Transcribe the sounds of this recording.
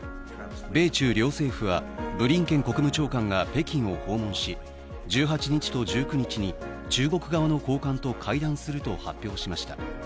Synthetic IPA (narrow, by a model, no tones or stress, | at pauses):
be̞ːt͡ɕɨːɾʲo̞ːse̞ːɸɯβa̰bɯ̟ɾʲĩŋkẽ̞ŋko̞kɯ̟mɯ̟t͡ɕo̞ːkãŋɡape̞kʲĩɰ̃o̞ho̞ːmõ̞ɰ̃ɕi | d͡ʑɨːɦat͡ɕiɲ̟it͡ɕi̥t̪o̞ʑɨːkɯ̟ɲ̟it͡ɕiɲ̟i | t͡ɕɨːɡo̞kɯ̟ɡaβano̞ko̞ːkãnt̪o̞kʰaid̪ãɰ̃sɨɾɯ̟t̪o̞hapʲːjo̞ːɕimaɕi̥t̪a̰